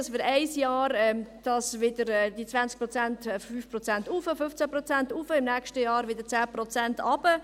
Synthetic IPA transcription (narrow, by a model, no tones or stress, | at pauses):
svɪːɾɛɪsjɑːɾɛd̥ɑsvɪd̥əɾɛd̥it͡svant͡sk̚pɾɔt͡sæntːfyːfprɔt͡sɛntufəfʏft͡sæpɾɔt͡sɛntufəɪmnɛkʃtəjɑːɾʋɪd̥ət͡sæːpɾɔt͡sɛntʰɑb̥ə